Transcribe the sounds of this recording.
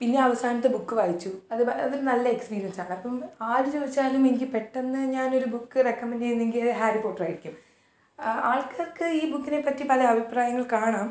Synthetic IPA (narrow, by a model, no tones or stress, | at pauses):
pinːe̞ɐʋɐsaːnɐt̪ːɨbukːɨʋaːjit͡ɕːuɐðɨɐðiɾnɐlːɐe̞kspiːɾijɐnsaːɳɨɐpːɐmaːɾut͡ɕoːðit͡ɕːaːlumenikʲːipe̞ʈːenːɨɲaːno̞ɾubukːɨrekːɐmːɐndt͡ɕe̞junːeŋɡilɐɦaːripo̞ːʈːɐraːjiɾikʲːum | aːɭkaːrkɨiːbukːine̞pːɐtːipɐlɐɐbʱipraːjɐŋːɐɭkaːɳaːm